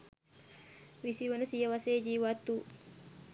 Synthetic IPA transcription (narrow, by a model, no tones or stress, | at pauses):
ʋisiʋɐnəsijəʋɐseːd͡ʒiːʋat̪ːuː